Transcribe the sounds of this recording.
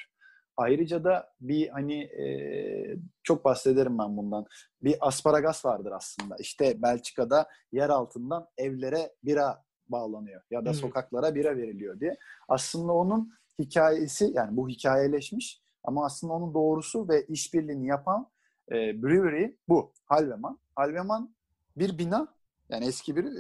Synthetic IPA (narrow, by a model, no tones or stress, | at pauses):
ajɾɯd͡ʒad̪abihaniɛ̰ | t͡ʃʰo̞k̚bast̪e̞d̪e̞ɾimbænbund̪an | biʔaspʰaɾaɡasvaɾd̪ɯɾaslˠɯnd̪a̰iʃt̪ʰɛbælʲt͡ʃʰi̥kʰad̪a | jæɾalˠt̪ʰɯnd̪anɛvlʲe̞ɾɛbiɾa | baːlˠanɯjo̞jad̪aso̞kʰaklˠaɾabiɾɛve̞ɾilʲijo̞d̪ijɛaslˠɯnd̪ao̞nun | hicʰaːjesijaːnibuɦicʰaːjelʲɛʃmiʃ | a̰maːslɯnd̪ao̞nund̪o̞ːɾusuvɛʔiʃbiɾlʲiːnijapʰan | ɛːbɾyɾibu | halʲvemanhalʲveman | biɾbina | ja̰ːniɛscʰibiɾ